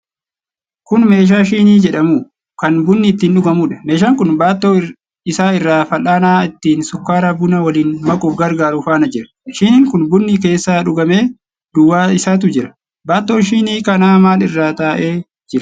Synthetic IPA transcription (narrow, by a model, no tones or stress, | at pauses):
kʊnme̞ːʃ̬aːʃiːniːd͡ʒɛᶑɐmuː | kɐnbʊnːɪːt̪ːiːnᶑʊɡɐmuːᶑɐ̥me̞ːʃ̬aːŋkʊnbaːt̪ːoː | ɪsaːɪrːaːfɐlʔaːnaːɪt̪ːiːnsʊkːaːɾɐbʊnɐwɐliːnmɐkʼʊɡɐɾɡaːɾʊfaːnɐd͡ʒɪɾɐ̥ | ʃiːnɪːŋkʊnbʊnːike̞ːsːaːᶑʊɡɐme̞ː | d̪̥ʊwːaːɪsaːt̪̬ʊd͡ʒɪɾɐ̥ | baːt̪ːoːʃ̬iːniːkɐnaːmaːlɪrːaːt̪aːʔe̞ː | d͡ʒɪɾɐ